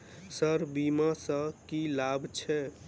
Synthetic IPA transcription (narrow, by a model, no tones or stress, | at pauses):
səɾbimasə̃kilabʱt͡ʃʰɛ